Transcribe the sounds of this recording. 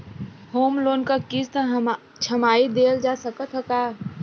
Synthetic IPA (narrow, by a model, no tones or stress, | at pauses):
hoːmloːnkakist̪ | t͡ʃʰɐmaːid̪eːld͡ʒaːsəkət̪ɦəkaː